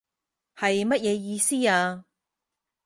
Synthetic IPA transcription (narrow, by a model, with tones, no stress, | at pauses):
hɐ˨jmɐ˥t̚jɛː˨˧jiː˧siː˥aː˧